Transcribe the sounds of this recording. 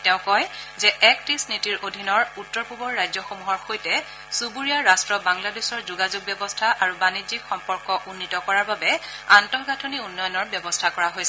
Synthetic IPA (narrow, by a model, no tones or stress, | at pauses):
tɛ̃ʊ̃kɔjzɛɛktisnitiɹʔodʱinɔɹutːɔɹpubɔɹːajzɔxomuɦɔɹxojtɛ | subuɹijaɹastɹɔbaŋladesɔɹzuɡazuɡ̚bɛbɔstʰaʔaɹubanizikxɔmpɔɹkɔʔunːitɔkɔɹaɹbabɛantɔɦɡatʰoniunːɔjɔnɔɹbjɔbɔstʰakɔɹaɦojsɛ